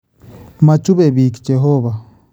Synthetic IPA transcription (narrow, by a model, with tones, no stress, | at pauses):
ma˨t͡ʃu˦βeβi˨ki̥t͡ʃe˨ɦoβa˨